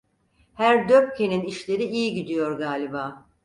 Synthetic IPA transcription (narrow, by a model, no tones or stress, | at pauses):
hæɾd̪øp̚cʰe̞niniʃlʲe̞ɾiijiɟid̪ijo̞ɾɡaːlʲibaː